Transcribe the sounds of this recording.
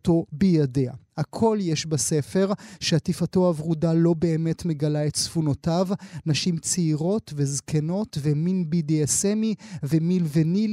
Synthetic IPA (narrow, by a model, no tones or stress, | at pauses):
to̞bejadea̰hakʰo̞ljeʃbase̞fe̞ʁʃeatifatoavʁudalo̞be̞ːme̞tme̞ɡalaetsfuno̞tavnaʃimt͡seiʁo̞tvezkeno̞tveminbideesemivemilvenil